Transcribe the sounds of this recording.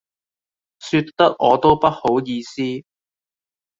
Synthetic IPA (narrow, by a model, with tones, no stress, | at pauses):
sy˧t̪ːɐ˥k̚ɔː˨˧t̪o˥wpɐ˥t̚ho˨˥wjiː˧siː˥